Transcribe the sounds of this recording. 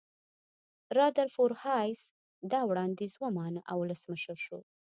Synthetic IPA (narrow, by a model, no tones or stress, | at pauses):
ɾɑd̪aɾfoɾhɑjs | d̪ɑwɽɑnd̪ezwamɑnʔa̰wʊləsməʃəɾʃo̰